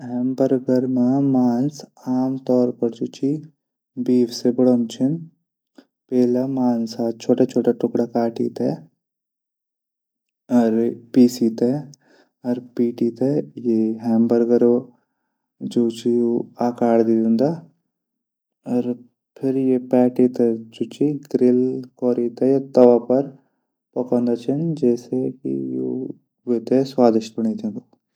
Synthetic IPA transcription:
ɦɛːmbəɾɡəɾmãmaːnsaːmt̪ɔːɾpɐɾd͡ʒoːt͡ʃi | biːʋsebɐɽomt͡ʃʰɪn | peːlamaːnsaːt͡ʃʰoːʈat͡ʃʰoːʈaʈʊkɽakaːʈḭːt̪ɛ | ɔɾpiːsiːt̪e | ɔɾpiːʈit̪ejeɦɛːmbəɾɡɐɾo | d͡ʒoːt͡ʃijoaːkaːɽd̪iːd̪ɪ̃nd̪aː | ɔːɾ | pʰɪɾjepɛːʈit̪ɛd͡ʒuːt͡ʃiɡɾɪlkɔːɾit̪ejat̪ɐʋaːpɐɾ | pɐkõːnd̪at͡ʃʰɐnd͡ʒɛːsekḭjo̰ | ʋeːt̪eswaːd̪ɪʃbɐɳ̃it̪ẽnd̪o

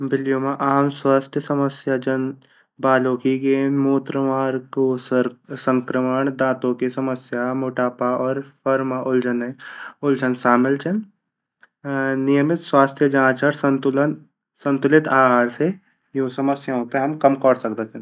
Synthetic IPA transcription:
bɪlijoːmãʔaːmswaːst̪ʰjəsɐməsjad͡ʒɐn | baːloːkiɡeːnmoːt̪ɾəmaːɾkosə̃ŋkɾəməɳ̃d̪ãːt̪õkisɐməsjamoːʈaːpaɔːɾpʰɐɾmaʔʊld͡ʒəneʊld͡ʒənsaːmɪlt͡ʃɐn | nijəmɪt̪swaːst̪ʰjəd͡ʒãːt͡ʃəɾsɐnt̪ʊlən | sɐ̃nt̪ʊlɪt̪aːɽse | josɐməsjaɦoːt̪eɦɛ̃ɦɐmkɐmkɔːɽsɐk̚d̪ət̪ʰen

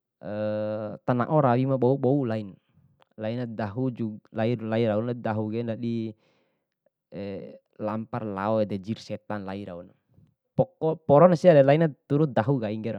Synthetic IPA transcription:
ət̪ana̰ʔɔɾawimaɓɔuɓɔulain | lainadaɦud͡ʒulailaiɾaunadaɦuɡɛndadi | ɛ | lamparla̰ɔɛdɛd͡ʒirsɛt̪anlaiɾa̰una | pɔkɔpɔɾɔnasiadɛlainat̪uɾud̪aɦuɡaiŋɡɛɾa

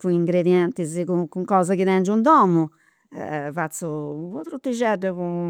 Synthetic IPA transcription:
puiŋɡɾed̪jɛnt̪izkukuŋkɔːzakid̪ɛnd͡ʒund̪ɔːmu | ɛ̰vat̪supɔpɾut̪ːed͡ʒɛɖɛku

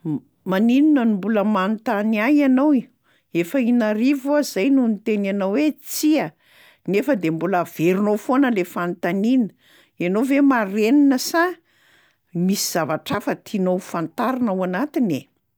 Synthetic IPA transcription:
manininənimbuləmant̪aniajanowi | efəinaɾivuazajnunit̪enanawwet͡siə | nefəd̪embuləv̥eɾinofonəlefant̪aninə | anowvemareninəsa | misiz̥avaʈ͡ʂafət̪ʰinowfant̪aɾinawanat̪ine

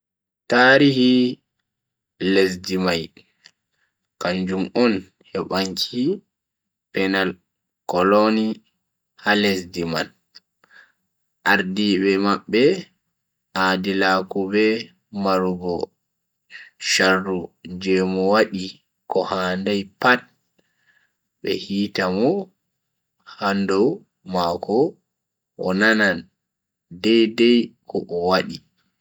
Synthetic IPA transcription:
taːɾihi | les̬dimaj | kaɲd͡ʒumɔn | hɛɓaɲkʰi | pɛnal | kɔlɔni | halesdimal | ʔaɾdibɛmaɓːɛ | ʔadilaːkubɛ | maɾuɡɔ | ʃarːud͡ʒɛmɔwaɗi | kɔhandajpat̚ | ɓɛ̰hiːtamɔ | handɔw | makʰɔ | ʔɔnanan | dɛjdɛjkʰɔ̰ʔɔwaɗi

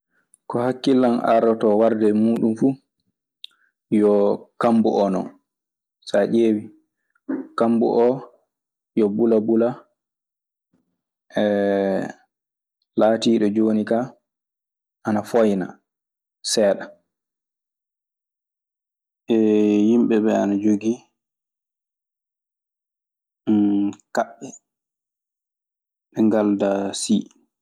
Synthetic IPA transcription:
kɔhakːilːana̰ɾɔtɔwaɾdɛmuːɗumfu | jɔkambuʔɔnɔ̰n | saʔeːwi | kambṵʔɔ | jɔbulabula | ʔɛ | laːtiːɗɔd͡ʒoːnika | ʔanafojna̰ | sɛːɗa | ʔɛjimɓɛbɛanad͡ʒoɡi | kaɓːɛ | ɓɛŋɡaldasi

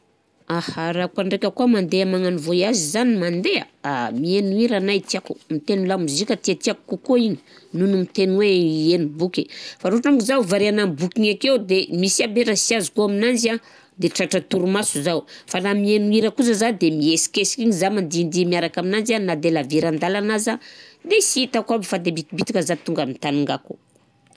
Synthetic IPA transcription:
ahaɾakuaɳɖ͡ʐekʲəkuəmand̪eamaŋanivoiazizanimand̪ea̰amienuiɾanajt̪iakumit̪enulamizikʲat̪iat̪iaku̥kukoiɲi̥nunumit̪enweienibukʲifaɾoʈ͡ʂaŋkizawvaɾeanambukiŋakewd̪emisiabeʈ͡ʂasiazukuaminand͡ʒia | d̪eʈ͡ʂaʈ͡ʂat̪uɾumasuzawfanamienuiɾəkuzəzad̪emiesi̥kesi̥kiŋizamand̪ind̪imiaɾakaminanzanad̪elaviɾand̪alanazad̪esiit̪akabifad̪ebit̪ibit̪ikəzat̪uŋɡamit̪anuŋɡaku

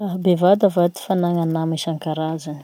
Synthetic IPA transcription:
raɦbevad̪avad̪i̥fanaŋanameʃaŋkaɾazani̥

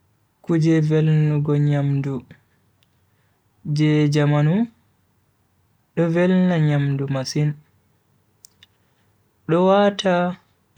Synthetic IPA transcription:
kud͡ʒɛvɛlnuɡɔɲamdu | d͡ʒɛd͡ʒamanu | ɗɔvɛlnaɲamdumasin | ɗɔwatʰa

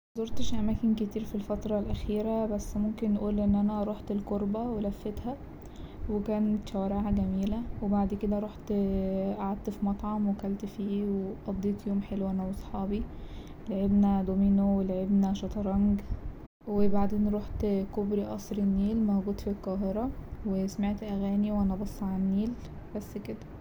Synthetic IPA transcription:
mzˤoɾˤt̪ʃʔæmæːkenket̪iːɾfilfæt̪ɾˤɑlʔæxiːɾæbæsːmomkenːʔuːlʔenːʔænæɾˤoħt̪elkoɾbæwelæfːet̪hæ | wekæːnet̪ʃæwæɾeʕʕæɡæmiːlæwebaʕd̪ked̪æɾˤoħt̪ʔaʕad̪̚t̪fimɑt̪ˤʕɑmwekælt̪fiːweʔɑd̪ˤːiːt̪ˤjoːmħelwænæwɑsˤħɑːbi | elʕebnæd̪omiːnowelʕebnæʃɑt̪ˤɑɾˤɑŋɡ | webaʕd̪eːnɾˤoːħt̪kobɾiʔɑsˤɾenːiːlmoɡuːd̪filqɑːɦeɾˤɑwesmeʕt̪ʔæɣæːniwʔænæbɑsˤːʕanːiːl | b̥æsːked̪æ̥

